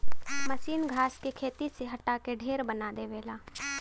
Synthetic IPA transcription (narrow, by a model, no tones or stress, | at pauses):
məsiːnɡʱaːskekʰeːt̪iseɦɐʈaːkeɖʱeːɾbənad̪eːʋeːlaː